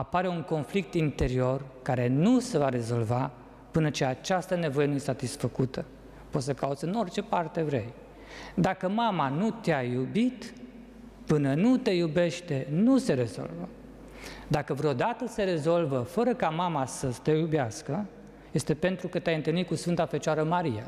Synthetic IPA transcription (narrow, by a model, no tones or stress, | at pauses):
apaɾe̞uŋko̞nflik̚t̪int̪e̞ɾio̞rkaɾe̞nuse̞vaɾe̞zo̞lva | pɨnət͡ʃe̞at͡ʃast̪əne̞vo̞je̞nujesat̪isfəkut̪ʰə | pot̪səkaut̪sʲɨno̞rt͡ʃe̞part̪e̞vɾe̞j | d̪akəmamanut̪eajubit̪ | pɨnənut̪e̞jube̞ʃt̪e̞nuse̞ɾe̞zo̞̰lvə | d̪akəvɾeo̞d̪at̪əse̞ɾe̞zo̞lvəfəɾəkamamasət̪ejubeaskə | je̞st̪e̞pe̞nt̪ɾukət̪eajɨnt̪ɨlnikusfɨnt̪afet͡ʃoaɾəmaɾija